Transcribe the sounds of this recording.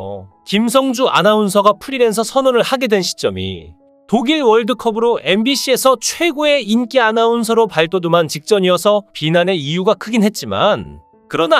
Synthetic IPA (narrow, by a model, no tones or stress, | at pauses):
kims̬ʰʌŋd͡ʑuʔa̰naunsʰʌɡapʰuɾime̞ns̬ʰʌsʰʌnoɾɯɭhaɡe̞dwe̞nɕʰi̥t͡ɕ͈ʌmḭ | toɡiɭwʌɭdɯkʰʌbɯɾoʔe̞mbiɕʰie̞sʰʌt͡ɕʰwe̞ɡoe̞ink͈eanauns̬ʰʌɾopaɭt͈odumant͡ɕik̚t͡ɕ͈ʌɲiʌsʰʌpinane̞ijuɡakʰɯɡinɦe̞t̚t͡ɕ͈ima̰n | kɯɾʌna